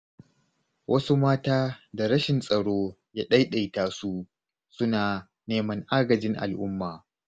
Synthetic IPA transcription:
wʔɐ˦su˦maː˦taː˦da˨ɾɐ˦ʃɪ˨nsʼɐ˨ɽoː˦ | jaː˦ɗɐ˦jɗa˨jtaː˦su˦ | sʊ˦naː˨ | neː˦mɐ˦ŋʔaː˦ɡɐ˨d͡ʒɪ˦ŋʔa̰˨lʔʊ˦mːaː˨

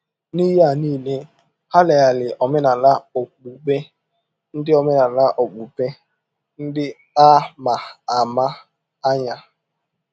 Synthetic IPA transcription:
ni˦ɦa˨niː˦le˦ | ha˦le˨ja˨lɪ˨ʔɔ˨mɪ˦na˨la˦o˨k͡pu˨be˦ | n̩˦dɪ˦ɔ˨mɪ˦na˨la˦ʔo˨k͡pu˨pe˦ | n̩˦dɪ˦ | a˦ma˨a˨ma˦ | a˦ɲa˦

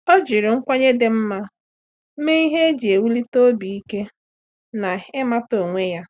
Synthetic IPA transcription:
ɔ˦d͡ʒi˨ɾɪ˨ŋ̩˦kʷa˦ɲe˦de˨m̩˦ma˦ | m̩˦me˦i˦ɦe˦e˦d͡ʒi˨e˨wu˦li˦to˦bi˨i˦ke˦ | na˨ɪ˦ma˦to˨ŋʷe˦ja˦

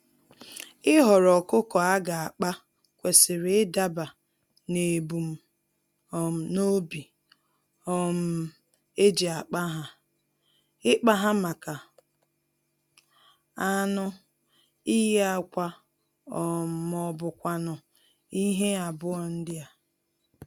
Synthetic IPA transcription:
ɪ˦ɦɔ˨ɾɔ˨kʊ˦kɔ˨a˦ɡa˨a˨k͡pa˦ | kʷe˨sɪ˨ɾɪ˨ɪ˦da˦ba˨ | ne˨bu˨m̩˦˨ | no˦bi˨ | ɔ˦m̩˦ | e˦d͡ʒi˨a˨k͡pa˦ɦa˨ | ɪ˦k͡pa˦ɦa˦ma˨ka˨ | a˦nʊ˦ | i˦ja˦kʷa˦ | ɔ˨mɔ˨bʊ˨kʷa˨nʊ˨ | i˦ɦe˦a˨bʊ˦ɔ˨n̩˦dɪ˦a˨

